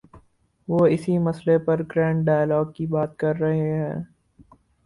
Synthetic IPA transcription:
ʋoːɪsimɐslepɐɾɡɾɛ̃ːɳʈɖaːjlɔːɡ̚kibaːt̪̚kɐɾːɐɦeɦɛ̃ː

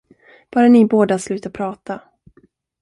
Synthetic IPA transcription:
b̥œːɾanɪboːd̪aslʉ̟ːt̪apʰɾɑːt̪ʰa

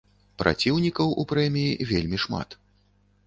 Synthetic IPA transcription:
pɾʔa̰t͡sʲiwnʲikɐwʔupɾɛmʲijivʲelʲmʲiʂma̰t̪

